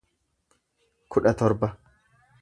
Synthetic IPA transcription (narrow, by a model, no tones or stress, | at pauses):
kʰʊᶑɐt̪ɔɾbɐ